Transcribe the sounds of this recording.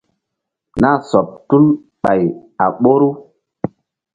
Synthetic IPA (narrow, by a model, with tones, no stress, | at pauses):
na˦sɔ˨p̚tu˦n | ɓa˨ja˨ɓo˦ɾu˦